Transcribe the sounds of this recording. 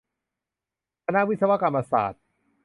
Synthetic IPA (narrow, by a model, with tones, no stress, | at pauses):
kʰa˧na˦˥ʔwi˦˥t̪̚sa˧wa˦˥ka˧mːa˧sa̰ː˨˩t̪̚